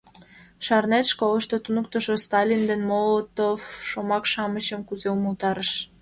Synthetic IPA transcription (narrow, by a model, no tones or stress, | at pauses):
ʃɑrnet̪ʃkoləʃt̪ot̪unuk̚t̪əʃost̪ɑlʲind̪enmolət̪ofʃomɑkʃɑmət͡ɕəmkuzeuməlt̪ɑɾəʃ